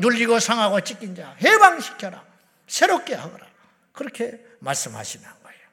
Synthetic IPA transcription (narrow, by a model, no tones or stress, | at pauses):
nuʎːiɡosʰaŋɦaɡot͡ɕ͈ik͈ind͡ʑahebaŋɕʰi̥kʰjʌɾa̰ | sʰe̞ɾop̚k͈eɦaɡʌɾa̰ | kɯɾʌkʰe̞ | maɭs͈ɯmha̰ɕʰinɯnɡʌejo